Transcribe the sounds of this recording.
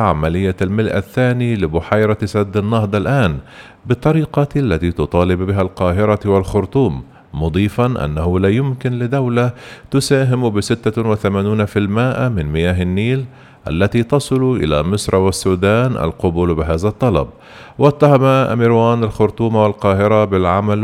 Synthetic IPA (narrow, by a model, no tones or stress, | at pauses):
ʕamalɪjːalmɪlʔa̰θːaːnilɪbʊħajɾˤɑt̪sad̪ːɪnːɑhd̪ˤɑlʔaːn | bɨt̪ˤːɑɾiːqɑlːat̪iːt̪ʊt̪ˤɑːlɪbbɪɦalqɑːɦɪɾˤɑwɪlxʊɾt̪ˤuːmː | ʊd̪ˤiːfɑnʔa̰nːahʊlaːjʊmkɪnlɪd̪awlat̪ʊsaːɦɪmbɪsɪt̪ːawɪθamaːnuːnafilmaːʔmɪnmɪjaːɦɪnːiːl | ʔa̰lːat̪iːt̪ɑsˤɨlʔɪ̰la̰mɪsˤɾˤwasːuːd̪aːnʔa̰lqʊbʊlbɪɦaːzat̪ˤːɑlɑ̰b̚ | wat̪ːaɦamaʔmiɾwaːnalxʊɾt̪ˤuːmawalqɑːɦɪɾˤɑbɪlʕamal